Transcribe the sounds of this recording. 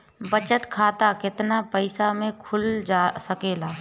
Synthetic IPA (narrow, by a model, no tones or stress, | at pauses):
bət͡ʃət̪kʰaːt̪akɪt̪napəɪsamẽkʰʊld͡ʒasəkeːlaː